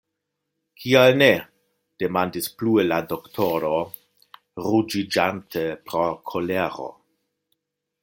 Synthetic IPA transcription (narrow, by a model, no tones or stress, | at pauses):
kʰialne | d̥emandisplueladoktʰoɾo | ɾud͡ʒid͡ʒantʰepɾokʰoleɾo̰